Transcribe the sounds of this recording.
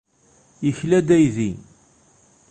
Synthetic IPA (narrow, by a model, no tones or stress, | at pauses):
jəçlæd̪æjði